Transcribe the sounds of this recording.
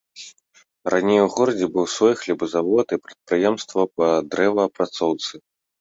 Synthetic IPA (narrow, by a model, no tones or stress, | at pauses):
ranʲejwuɣɔɾɐd͡zʲɛbɨwsvɔjxlʲibɨzavɔt̪ipɾɐt̪̚pɾɨjɛmst̪vɐpɐd̪ɾɛvɐːpɾat̪sɔwt̪sɨ